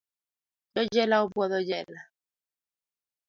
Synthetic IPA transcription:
jɔd͡ʒɛlaubɔðɔd͡ʒɛla

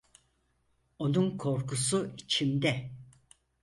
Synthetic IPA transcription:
o̞nunkʰo̞ɾkusuit͡ʃʰimd̪ɛ

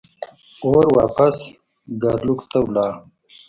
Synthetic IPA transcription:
oːɾwaːpɐs | ɡaɾlukt̪awlaː

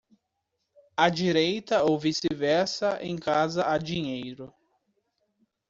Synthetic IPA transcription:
ɐd͡ʒiɾejt̪ɐowvisɪvɛɾsɐʔẽj̃kazɐʔad͡ʒiɲejɾʊ

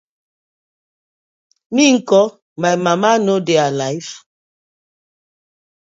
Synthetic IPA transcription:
miŋ̩kɔ | majmamanodealajf

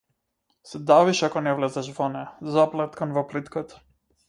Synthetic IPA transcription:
sɛd̪aviʃakɔnɛvlɛzɛʃvɔnɛzaplˠɛt̪kanvɔplit̪kat̪

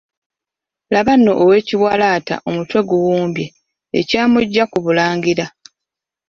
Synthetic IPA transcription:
laβanːo̞ʔːwe̞ːciβwaːlaːta̰ʔo̞mutwe̞ɡuwuːmbje | ḛcaːmuɟːakuβulaːŋɡiɾa

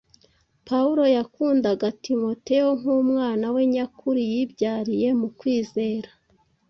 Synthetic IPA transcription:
pauɾo̞jakuːndaɡatimo̞te̞joŋuːmŋaːnawe̞ɲakʰuɾijibɟaːɾije̞mukwiːze̞ːɾḁ

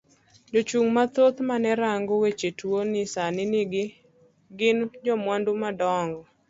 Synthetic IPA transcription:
d͡ʒot͡ʃuŋmat̪ot̪manɛɾaŋɡowet͡ʃetwonɪsanɪnɪɡɪ | ɡɪnd͡ʒɔmwandumadɔŋɡɔ

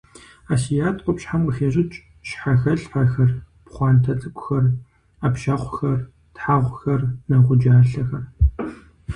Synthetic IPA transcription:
aːsijaːtʼqʷʼɔpɕħamqʼəxeːʑʼɪt͡ʃʼ | ɕħaxɐɬħaxɐr | pχʷɑːntʰɐt͡sʼɨkʷʼʊxɐr | apʃɐʁʷxɐr | tħaʁʷxɐrnɐʁʷʊd͡ʒaːɬɐxɐr

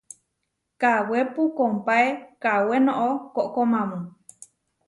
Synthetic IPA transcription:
kawepukompaekawenõʔokoʔkomãmũ

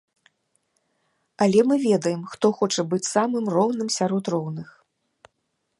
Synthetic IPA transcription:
ɐlʲɛmɨvʲɛd̪ɐjɛmxt̪ɔxɔt͡ʂɐbɨt͡sʲsamɨmrɔwnɨmsʲaɾɔt̪rɔwnɨx

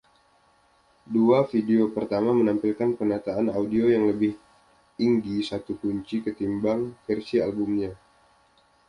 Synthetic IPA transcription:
duafideopərt̪amamənampilkanpənat̪aːnaudiojaŋləbɪh | iŋɡisat̪ukuɲt͡ʃikət̪imbaŋfɛrsialbumɲa

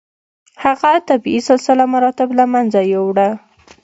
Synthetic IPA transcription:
haɣat̪abisalsalamaɾɑt̪ɪblamanzajewɽa

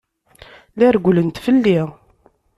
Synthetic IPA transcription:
læɾɡʷlənt̪fəlːi

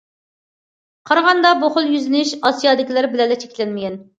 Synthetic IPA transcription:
qʰɑɾʁɑnd̪ɑboχʊlˠjyzɪnɪʃɑsijɑːd̪ɪkʲilæɾbɪlɛlːɛt͡ʃʰe̥kʲlɛnmɪɡʲɛn

